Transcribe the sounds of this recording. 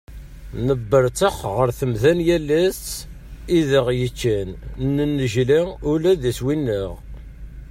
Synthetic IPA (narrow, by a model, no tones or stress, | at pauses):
nəbːəɾt͡səχʁəɾθəmðænjælːæst͡sː | iðəʁjət͡ʃːænnənːəʒliulæðæswinːəʁ